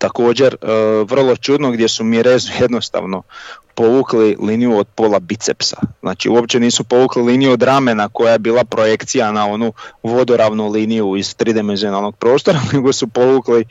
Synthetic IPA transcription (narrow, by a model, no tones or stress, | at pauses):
t̪ako̞ːd͡ʑe̞ɾʋr̩lˠo̞t͡ʃud̪noɡd̪je̞sumiɾezje̞d̪no̞st̪a̰ʋno̞po̞ʋuːkliliːnijuod̪̚po̞ːlˠabit̪sḛpsḁ̰zna̰ːt͡ʃḭuo̞pt͡ʃe̞niːsupo̞ʋuːkliliːnijuod̪ɾamenako̞jaje̞biːlˠapɾo̞je̞kt̪sijanao̞nuʋo̞d̪o̞ɾaʋnuliːnijuiz̥t̪ɾid̪imenzio̞nalˠno̞ɡ̥̚pɾo̞ːst̪o̞ɾaneɡo̞supo̞ʋukli